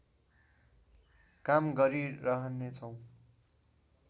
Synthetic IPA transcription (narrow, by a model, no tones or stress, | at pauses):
kamɡʌɾiɾʌɦʌnːet͡sʰʌw̃